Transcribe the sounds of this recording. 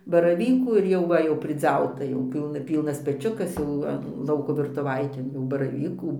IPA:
bɐrɐˈʋʲiːkuː ɪr ˈjɛʊ ʋɐ jɛʊ pʲrʲɪˈd͡zʲɛʊtɐ jɛʊ ˈpʲiːlˠnɐ ˈpʲiːlˠnɐs pʲɛˈt͡ʃʲʊkɐs jɛʊ ˈʋɐ ˈlˠɐʊkoː ʋʲɪrtʊˈʋɐɪtʲeːn jɛʊ bɐrɐˈʋʲiːkuː

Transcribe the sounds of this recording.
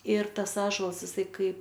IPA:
ɪr ˈtɐs ˈɑːʒoːlˠɐs ɪˈsɐɪ ˈkɐɪp

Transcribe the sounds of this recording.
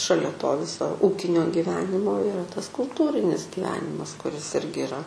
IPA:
ʃɐˈlʲɛ toː ˈʋʲɪsoː ˈuːkʲɪnʲoː ɡʲɪˈʋʲæːnʲɪmoː ɪˈrɐ tɐs kʊlˠˈtuːrʲɪnʲɪs ɡʲɪˈʋʲæːnʲɪmɐs kʊˈrʲɪs ˈɪrʲɡʲɪ ɪˈrɐ

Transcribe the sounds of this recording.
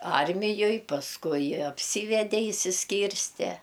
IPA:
ˈɐrʲmʲɪjoːj pɐsˈkʊɪ ɐpʲˈsʲiːʋʲɛdʲɛ ɪʃʲsʲɪsʲˈkʲiːrʲsʲtʲɛ

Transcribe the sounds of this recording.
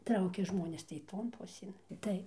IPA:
ˈtrɐʊkʲɛ ˈʒmoːnʲeːs tɐɪ ˈtoːn ˈpʊsʲeːn ˈtɐɪ

